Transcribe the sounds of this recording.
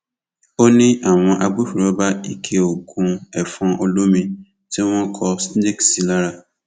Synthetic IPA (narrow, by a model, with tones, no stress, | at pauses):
o˦nĩ˦ʔa˦˨w̃ɔ̃˧ʔa˧ɡ͡bu˦fi˨ɾɔ˨˦ba˦i˨kʰe˧˦o˨ɡũ˧ɛ˨fɔ̃˨˧ʔo˧lo˦mĩ˧ | ti˦w̃ɔ̃˦kʰɔ˧sde˦˨ksi˨˦la˦ɾa˦˨